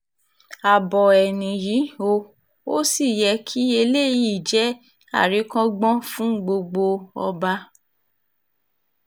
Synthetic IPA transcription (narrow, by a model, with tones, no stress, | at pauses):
a˨bɔ˨ɛ˨nĩ˨ji˨˦o˧ | o˦si˦˨jɛ˧˦kʰi˦e˧le˦˨ji˨d͡ʒɛ˨˦ | a̰˦˨ɾi˨˦kã˦ɡ͡bɔ̃˦fũ˦ɡ͡bo˧ɡ͡bo˧ɔ̰˧ba˧